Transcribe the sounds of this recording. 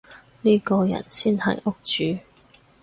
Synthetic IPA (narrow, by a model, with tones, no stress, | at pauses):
niː˥kɔː˧jɐ̰˨˩nsiː˥nhɐ̰˨˩jʔʊ˥k̚t͡ʃyː˨˦